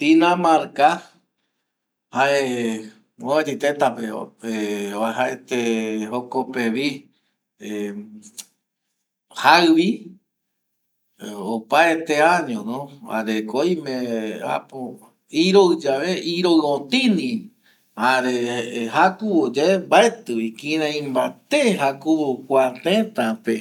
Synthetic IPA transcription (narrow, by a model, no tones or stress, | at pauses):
t̪inãmaɾka | hae | oad͡ʒet̪et̪apepeβahaet̪ehokopeβi | e | haɨβi | opaet̪eãɲõnõha̰ɾekoĩmẽa̰po | iɾoɨd͡ʒaβeʔiɾoɨõt̪ĩnĩ | aɾehakuβod͡ʒaembaet̪ɨβikĩɾãĩmbat̪eɦakuβokʷat̪ẽt̪ape